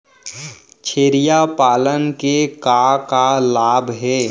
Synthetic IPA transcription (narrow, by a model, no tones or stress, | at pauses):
t͡ʃʰeːɾijapaːlənkekakalaːbʱɦɛː